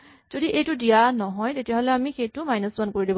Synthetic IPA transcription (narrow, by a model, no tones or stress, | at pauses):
z̥odiʔejtʊdijanɔɦɔjtetijaɦolɛamixejtʊmajnɔsbankoɹidib